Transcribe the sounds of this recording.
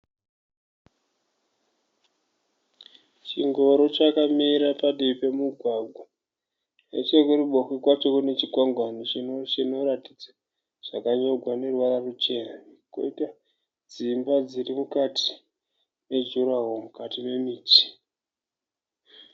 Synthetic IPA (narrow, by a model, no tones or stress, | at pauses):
t͡ʃiŋɡo̞ɾo̞t͡ʃakamiɾapaɗipe̞muɡʱwaɡʱwa | nḛt͡ʃe̞kuriɓoxikwat͡ʃo̞kune̞t͡ʃikwaŋɡwanot͡ʃinot͡ʃino̞ɾatid͡za | ʐ̥akaɲo̞ɡʱwane̞rwararut͡ʃe̞nako̰ita | d͡zimbad͡zirimukati̥ | ne̞d͡ʒuɾaɦomukatime̞miːt͡ʃi̥